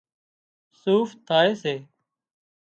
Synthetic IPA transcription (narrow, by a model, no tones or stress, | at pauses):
suːft̪ʰaːeːseː